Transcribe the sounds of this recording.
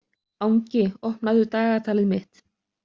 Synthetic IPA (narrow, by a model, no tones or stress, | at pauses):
awɲcɪɔhpnaðʏt̪aːɣat̪ʰaːlɪðmɪht̪